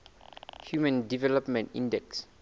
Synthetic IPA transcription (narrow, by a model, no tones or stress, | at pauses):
hjumə̃ndivɛlɔpmɛ̃ntḭ̃ndɛks